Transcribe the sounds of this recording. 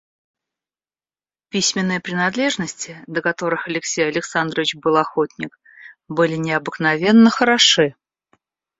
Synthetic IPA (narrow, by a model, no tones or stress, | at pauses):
pʲisʲmʲɪnːɨjəpɾʲɪnɐd̪lʲe̞ʐnəsʲtʲɪd̪əkɐt̪o̞ɾɨxɐlʲɪksʲejɐlʲɪksand̪ɾəvʲɪt͡ɕbɨlˠɐxo̞tʲnʲɪk | bɨlʲɪnʲɪɐbɨknɐvʲe̞nːəxəɾɐʂɨ